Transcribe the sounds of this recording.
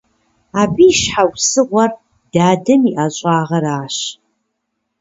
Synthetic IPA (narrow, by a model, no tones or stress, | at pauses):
aːbiːʃħawsɨʁʷɐr | d̥aːdɨmiʔaɕʼaːʁɐɾaːɕ